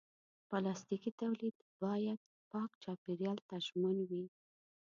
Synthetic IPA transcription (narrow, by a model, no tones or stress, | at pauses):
pɑlɑst̪ikit̪awlid̪ | bɑjad̪̥̚ | pɑkt͡ʃɑpiɾjɑlt̪aʒmanwi